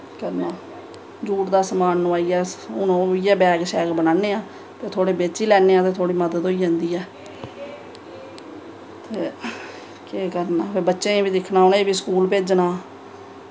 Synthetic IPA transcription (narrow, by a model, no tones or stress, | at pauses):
kəɾnaː | d͡ʒuːʈd̪aːsəmaːnːʊaːiːɛːʊnõːiːɛːbɛːɡʃɛːkbənaːneːãː | t̪eːt̪ʰoːɽeːbeːt͡ʃiːlɛːneːãːt̪eːt̪ʰoːɽiːməd̪əd̪ɦoːiːd͡ʒãːnd̪iːɛː | t̪ʰeː | keːkəɾnaːpʰeːbətːʃẽːbiːd̪ɪkʰnaːɦonaːeːbiːskuːlpeːd͡ʒnaː